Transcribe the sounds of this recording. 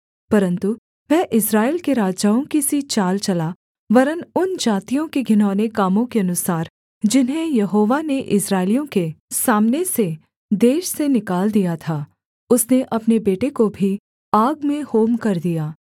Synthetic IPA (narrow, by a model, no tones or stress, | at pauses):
pɐɾə̃nt̪u | ʋɛ̃ːʔɪsɾaːeːlkeɾaːd͡ʒaːõkisit͡ʃaːlt͡ʃɐla | ʋɐɾənʊnd͡ʒaːt̪ijõkeɡʱɪnaːnekaːmõkeɐnʊsaːɾ | d͡ʒɪnɦẽjɐɦoːʋaneʔɪsɾaːɪlijõkesaːmnese | d̪eːʃsenɪkaːld̪ijat̪ʰaː | ʊsneʔɐpnebeːʈekobʱi | aːɡmẽhoːmkɐɾd̪ijaː